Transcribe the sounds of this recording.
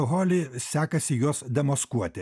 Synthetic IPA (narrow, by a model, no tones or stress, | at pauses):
ʊɦoːlʲeːsʲæːkɐsʲɪjuɔsd̪ʲɛmoskuɔt̪ʲɪ